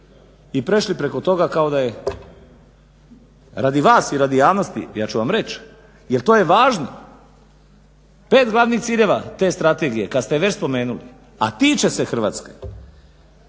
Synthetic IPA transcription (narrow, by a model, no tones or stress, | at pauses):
ipɾe̞ʃlipɾe̞ko̞t̪o̞ɡakao̞d̪aje | ɾad̪iʋaːsiɾad̪ijaːʋno̞st̪ḭjaːt͡ʃuʋamɾe̞t͡ʃ | jelt̪o̞ːje̞ʋaːʒno | pe̞ːt̪ɡlˠaʋnixt̪siːʎe̞ʋat̪e̞ːst̪ɾat̪e̞ɡije̞kad̪st̪eʋe̞t͡ɕspo̞me̞ːnulḭ | a̰t̪iːt͡ʃe̞sexr̩ʋaːt̪ske